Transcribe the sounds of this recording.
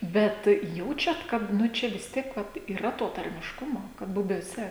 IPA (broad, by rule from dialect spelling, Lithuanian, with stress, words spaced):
ˈbʲɛt ˈjɛʊt͡ʃʲɛt kɐt ˈnʊ ˈt͡ʃʲɛ ʋʲɪs ˈtʲiɛk ʋɐt iːˈrɐ toː tɐrʲmʲɪʃˈkʊmoː kɐt bʊbʲuɔˈsʲɛ